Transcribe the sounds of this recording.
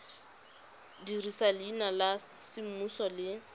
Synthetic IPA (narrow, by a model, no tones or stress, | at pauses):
dirisalɪːnalasɪm̩musɔlɪ